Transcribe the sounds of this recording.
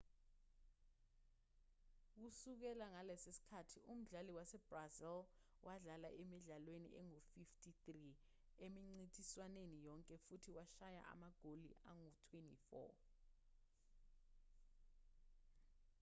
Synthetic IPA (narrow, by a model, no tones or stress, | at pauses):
k̬usuk̬ɛlaŋalɛsesi̥kʰatʰium̩ɮaliwasɛbrazɛl | wʔaɮala̰ʔemiɮalwenḭʔɛŋofiftʰʼitri | emiŋ͡ǀitʰʼiswanenijɔŋkʼɛfutʰiwaʃaja̰ʔa̰maɡ̥ʱolḭʔaŋutʰwentʼḭfɔ̰